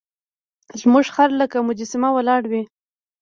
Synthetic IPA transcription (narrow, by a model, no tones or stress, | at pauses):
zmuʐxaɾləkamʊd͡ʒɪsɪmawalɑɽwi